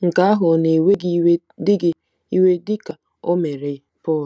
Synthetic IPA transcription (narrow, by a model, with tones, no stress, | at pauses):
ŋ̩˨ka˦a˦ɦʊ˨ne˨we˦ɡ | dɪ˦ɡɪ˦ | i˦we˦dɪ˦ka˨ | o˦me˨ɾe˨ | pɔ˦˨l